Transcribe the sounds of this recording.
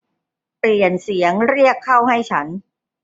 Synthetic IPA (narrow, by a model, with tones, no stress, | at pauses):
pli˨˩ənsi˩˦əŋɾi˥˩əkʰːa˥˩wɦa˥˩jt͡ɕʰa˦˥n